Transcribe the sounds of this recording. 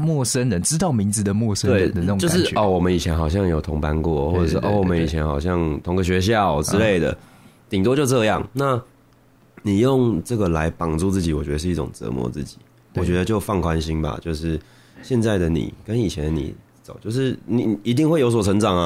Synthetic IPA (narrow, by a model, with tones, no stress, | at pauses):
mwɔ˥˩sə˥nɻə˧˦nʈ͡ʂɻ̩˥t̪ɑ˥˩ʊmi˧˥ŋd͡zɹ̩˨˩d̪ə˨mwɔ˥˩ʂə˦we˥˨ɪə˦nd̪ə˧n˥˩˨t͡ɕo˥˧ʊʂɻ̩˥˩ɔ˧˩wɔ˨˩mə˦ni˨˩t͡ɕʰjɛ˧˥nxɑ˨˩ʊɕ̬jɑ˥˩ŋjo˨˥ʊt̪ʰʊ˧˥ŋpa˦nkwɔ˥˨xwɔ˥˩ə˨˩ʂɻ̩˥˧˩ʔwɔ˨mə˦ni˨˩t͡ɕʰjɛ˧˦˥nxɑ˨˩ʊɕjɑ˥˩ŋt̪ʰʊ˧˥ŋɡə˧ɕ̬ɥɛ˧˥ɕ̬jɑ˥˩ʊʈ͡ʂ̩˥le˥˩ɪd̪ə̰˩ | t̪i˨˩ŋt̪wɔ˥t͡ɕjo˥˧ʊʈ͡ʂɤ˥˧jɑ̰˥˩ŋna˥˩ | ni˨˩jo˥˩ŋʈ͡ʂɤ˥˩ɡə˩la˧˦ɪpɑ˨˩ŋt͡su˥˧t͡sɹ̩˥˩t͡ɕi˨˥wɔ˨˩t͡ɕɥɛ˧˦d̪ə˧ʂɻ̩˥˧i˥˩ʊ̰˨˩ŋt͡sɤ̰˧˦mwɔ̰˧˦t͡sɹ̩˥˩t͡ɕi̥˨˩˦ | wɔ˨˩t͡ɕɥɛ˧˦˥d̪ə˧t͡ɕjo˥˧ʊfɑ˥˩ŋkʰwa˦nɕi˥nba̰˨t͡ɕjo˥˧ʊʂɻ̩˥˩ | ɕjɛ˥˧nt͡sa˥˩ɪd̪ə˩nḭ˨˩kə˦ni˨˩t͡ɕʰjɛ˧˦n˨˧nḭ˨˩ | t͡so˨˦ʊt͡ɕjo˥˧ʊʂ̬ɻ̩˥˩ni˨˩i˧˥t̪̬i˥˧ŋxwe˥˩ɪjo˧˥ʊswɔ˨˩ʈ͡ʂʰə˧˥ŋʈ͡ʂɑ˨˩ŋa˦